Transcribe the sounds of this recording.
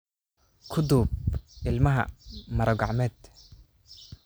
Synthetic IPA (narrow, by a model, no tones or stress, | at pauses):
kʰʊd̪ub̚ʔɪlmɐɦɐ̰mɐɾɐɡɑʕmɛd̪